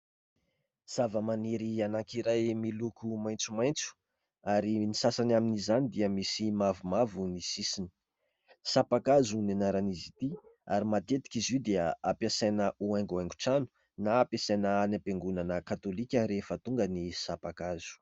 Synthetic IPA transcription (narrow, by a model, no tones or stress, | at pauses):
z̥avəmaniɾianaŋkiɾajmilukumajnt͡sumajnt͡su̥ | aɾinisasanaminizanid̪iəmisimavumavunisisini̥ | sapakazunanaɾanizit̪ia̰ɾimat̪et̪i̥kʲizid̪eəapjasajnəʔuajŋɡuajŋɡu̥ʈ͡ʂanu̥ | naːpesanəːnapeŋɡunanəkat̪olikʲəɾefət̪uŋɡənisapakazu̥